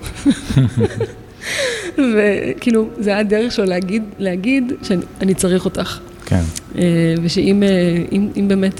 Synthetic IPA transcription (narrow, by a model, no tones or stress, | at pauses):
vekiːluzeajadeʁeχʃeoleaɡidleaɡidʃeanit͡saʁiχo̞taχ | kʰḛneveʃeimeimimbeːmet